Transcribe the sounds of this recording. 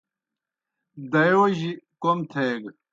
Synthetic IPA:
d̪ɐjoːʑikomt̪ʰeːɡ

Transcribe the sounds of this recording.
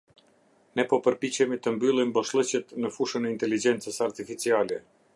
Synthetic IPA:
nɛpɔpəɾpit͡ɕɛmit̪əmbylˠimbɔʃlˠət͡ɕɛt̪nəfuʃənɛint̪ɛlid͡ʒɛnt͡səsaɾt̪ifit͡sialɛ

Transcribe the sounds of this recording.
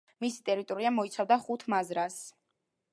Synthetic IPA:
misi̥t̪ʼɛɾit̪ʼɔɾiamɔit̪sʰavd̪aχut̪ʰmazɾas

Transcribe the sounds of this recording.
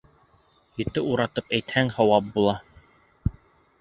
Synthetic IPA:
jɵ̆t̪ɘuɾɑt̪ɤpæjt̪hæŋhŏwɑp̚bulˠɑ

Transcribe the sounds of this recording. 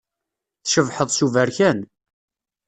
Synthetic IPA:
θʃəvħəðˤsuvæɾçæn

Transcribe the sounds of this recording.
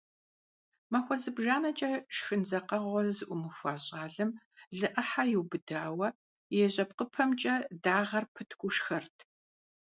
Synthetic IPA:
mɐxʷɔzɨbʒaːnɐt͡ʃʼɐʃxɨnzɐqɐʁʷɔzɨʔʷʊmɨfʷaːɕʼaːɮɨm | ɮɨʔɐħajɪwbɨdaːwɐ | jɛɕʼɐp̚qəpʰɐmt͡ʃʼɐdaːʁɐrpʰɨtʰkʷʊʃxɐrtʰ

